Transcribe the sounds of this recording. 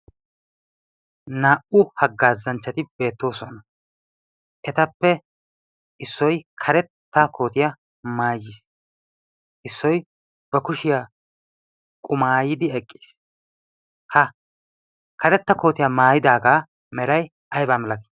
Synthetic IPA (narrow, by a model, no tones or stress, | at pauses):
naːʔʊhɐɡːaːzːɐnt͡ʃːɐt̪ɪbe̞ːt̪ːo̞ːsɔnɐ | ʔɛt̪ɐpːɛ | ʔɪsːɔjkʰɐɾɛt̪ːakʰo̞ːt̪ɪjɐ | maːjis | ʔɪsːɔj | b̥ɐkʊʃɪja | kʼʊmaːjɪd̪ɪɛkʼːi̥ːs | hɐ | kʰɐɾɛt̪ːɐko̞ːt̪ɪjamaːjɪd̪aːɡaː | mɛɾɐj | ɐjbaːmɛlɐt̪i̥